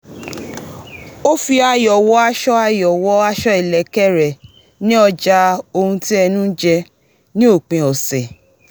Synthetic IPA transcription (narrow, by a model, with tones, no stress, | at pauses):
o˦fi˧a˧jɔ˨wɔ˧˦a˧ʃɔ˦a˧jɔ˨wɔ˧˦a˧ʃɔ˦i˨lɛ˨kɛ˦ɾɛ˨ | nĩ˦ɔ˧d͡ʒa˧o˧hũ˧ti˦ɛ˧nũ˦d͡ʒɛ˧ | nĩ˦o˦˨k͡pẽ˨˧ɔ˨sɛ˨